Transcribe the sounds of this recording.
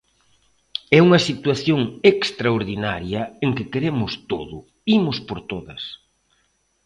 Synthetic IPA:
ɛuŋɐsit̪waθjoŋekst̪ɾaoɾðinaɾjɐeŋkɪkeɾemʊst̪o̰ðʊ | imʊspoɾt̪oðɐ̰s

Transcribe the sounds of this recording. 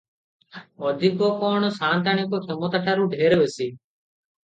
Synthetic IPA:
ɔːd̪ʱikoːkoːɳsaːnt̪aːɳẽːkoːkʰemoːt̪aːʈʰaːɾũːɖʱeːɾeʋeːsiː

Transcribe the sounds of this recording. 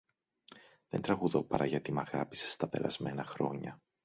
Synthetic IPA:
ðe̞nt̪ɾɐɣuðo̞pɐɾɐʝɐt̪imɐɣɐpi̥se̥st̪ɐpeɾɐ̰zme̞nɐxɾo̞ɲɐ

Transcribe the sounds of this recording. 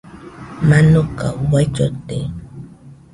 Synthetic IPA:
manokawat͡ʃot̪e

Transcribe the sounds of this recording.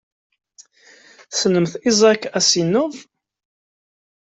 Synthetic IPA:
snəmθizˤɑkːæsinːʊðˤ

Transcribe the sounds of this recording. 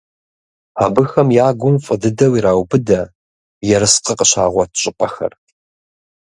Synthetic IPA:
abɨxɐmjaːɡʷʊmfʼədɨdɐwiːɾaːwbɨdɐ | jɛɾɨsqəqəɕa̰ːʁʷɔtʰɕʼɪpʼɐxɐ̰r

